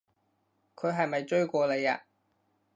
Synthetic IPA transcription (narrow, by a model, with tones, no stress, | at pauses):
kʰɵ˨˧ɥɦɐ˨jmɐ˨jt͡ʃɵ˥ɥkʷɔː˧le˨˧ja̰ː˧